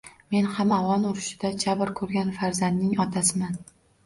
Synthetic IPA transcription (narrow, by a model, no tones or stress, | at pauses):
me̞nhamawɒnʊɾɪʃɪd̪ad͡ʒabɪɾkʰɵɾɡʲanfaɾzand̪nɪŋɒt̪ʰasɪman